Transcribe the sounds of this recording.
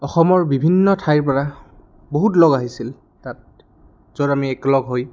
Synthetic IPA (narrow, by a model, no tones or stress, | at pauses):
ɔxɔmɔɹbibʱinːɔtʰajɹp̬ɔɹa | boɦutlɔɡaɦisil | tat̚ | zodamiɛklɔɡɦoj